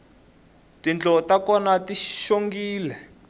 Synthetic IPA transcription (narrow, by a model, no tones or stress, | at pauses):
tint͡ɬɔtakɔnatiʃoŋɡiːlɛ